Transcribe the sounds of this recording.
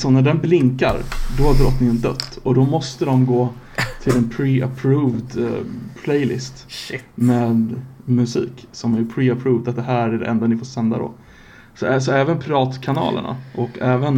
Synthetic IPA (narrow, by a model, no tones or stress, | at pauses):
sɔnæɖɛnblɪŋka̰ɾd̪ɔhad̪ɾɔt̪ːnɪnd̪œ̰t̪ːɔd̪ɔmɔst̪əd̪ɔmɡoː | t̪ʰɪlɛnpʰɾɪapʰɾuːvd̪pʰlɛjlɪ̰st̪meːd̪mɵsḭːksɔmæjɵpʰɾɪapʰɾʉːvd̪at̪̚d̪ɛɦæːɾæɖɛ̰ʔɛnd̪anɪfoːsɛnd̪a̰d̪ɔ̰ | sɔɛs̬ɔɛːvənpʰɾɪvɑːt̪kʰanɑ̰ːlə̰ɳʔa̰ʔɔkɛːvən